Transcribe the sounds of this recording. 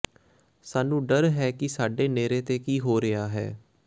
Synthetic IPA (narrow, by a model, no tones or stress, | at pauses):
saːnũːɖəɾɦɛːkɪsaːɖeːneːɾeːt̪eːkiːɦoːɾɪjaːɦɛː